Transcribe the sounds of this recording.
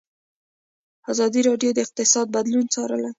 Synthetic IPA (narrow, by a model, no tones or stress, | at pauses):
ɑzɑd̪iɾɑɖjod̪əɪq̚t̪ɪsɑd̪̚bad̪lunt͡sɑɾə̰la